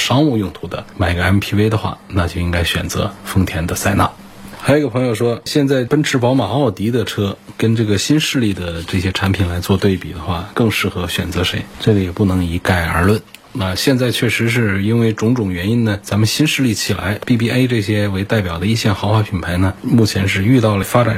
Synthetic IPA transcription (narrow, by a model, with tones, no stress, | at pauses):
ʂɑ˥ŋu˥˧jʊ˥˧ŋt̪ʰu˧˥d̪ə̰˧ma˨˩ɪɡə˧ɛ˥npʰi˥e˥ɪd̪ə˧xwa̰˥˩na˥˧t͡ɕjo˥˧ʊi˥ŋɡa˥ɪɕɥɛ̰˨˩nt͡sɤ̰˧˥fɤ˥ŋt̪ʰjɛ˧˥nd̪ə˧sa˥˧ɪna̰˥˩ | xa˧˥o˧˥˧pʰɤ˧˥ŋjo˧ʊʂwɔ˥ɕjɛ˥˧nt͡sa˥˩ɪpə˥nʈ͡ʂʰɻ̩˧˥pɑ˧˥ʊma˨˩˥ʊt̪i˧˥d̪ə˧ʈ͡ʂʰɤ˥kə˥nʈ͡ʂɤ˥˩ɡə˩ɕi˥nʂɻ̩˥˧li˥˩d̪ə˩ʈ͡ʂɤ˥˩ɕjɛ˥ʈ͡ʂʰa˧˥npʰi˨˩nla˧˥ɪt͡swɔ˥˧t̪we˥˩ɪpi˨˩d̪ə˦xwa˥˩kɤ˥˧ŋʂɻ̩˥˩xɤ˧˥ɕɥɛ̰˨˩nt͡sɤ˧˥ʂe˧˥ɪʈ͡ʂɤ˥˩ɡə˨˩jɛ˨˩pu˥˩nɤ˧˥ŋi˧˥ka˥˩ɪə̰˞˧˥lwə˥˩n | na˥˧ɕjɛ˥˧nt͡sa˥˧ɪt͡ɕʰɥɛ˥˩ʂɻ̩˧˥ʂ̬ɻ̩˥˩i˥nwe˥˩ɪʈ͡ʂʊ˧˥ŋʈ͡ʂʊ˨˩ŋɥɛ˧˥ni˥nnə˨t͡sa˧˥mə˨nɕi˥nʂɻ̩˥˧li˥˩t͡ɕʰi˨˩la̰˧˥ɪpi˥˧p̬i˥˧ʔe˥ɪʈ͡ʂɤ˥˩ɕjɛ˥we˧˥ɪt̪a˥˩ɪpjɑ˨˩ʊd̪ə˦i˥˧ɕjɛ˥˩nxɑ˧˥ʊxwa˥˩pʰi˨˩npʰa˧˥ɪnə˧mu˥˩t͡ɕʰjɛ˧˥nʂɻ̩˥˧y˥˧t̪ɑ˥˩ʊlə˩fa˥ʈ͡ʂa̰˨˩n